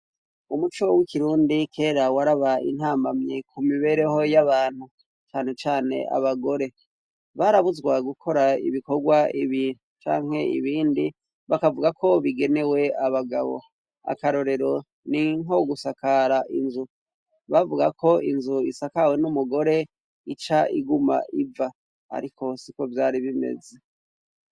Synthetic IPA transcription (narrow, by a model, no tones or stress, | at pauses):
umut͡ʃowikiɾuːndikʰe̞ːɾawaɾaβaḭn̥haːmbamɲekumiβe̞ɾe̞ho̞jaβaːn̥hu | t͡ʃaːne̞t͡ʃaːne̞̰ʔa̰βaɡo̞ɾe̞ | βaɾaβuzɡwaɡukʰo̞ɾaḭβiko̞ɡwaiβiːnut͡ʃa̰ːŋ̥he̞ḭβiːndi | βakavuɡakʰo̞βiɡe̞ne̞we̞aβaɡaβo̞̰ | a̰kaɾo̞ɾe̞ɾo̞ | niŋoɡusakaɾaʔinzu | βavuɡakʰo̞inzuisakawe̞numuɡo̞ɾe̞ | it͡ʃaiɡuma̰ʔiva | a̰ɾikʰo̞siko̞vjaːɾiβime̞̰ze